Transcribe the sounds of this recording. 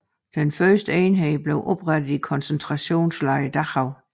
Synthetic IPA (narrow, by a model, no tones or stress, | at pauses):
d̥enfɶɐsd̥əeɪnɦɛɪb̥le̝ʊʔɒ̽b̥ʁad̥ð̩ˠikʰɒ̽nsent͡sʰʁɑ̈ɕo̝̰ːnslɑ̈ɪəd̥ɑhɑʊ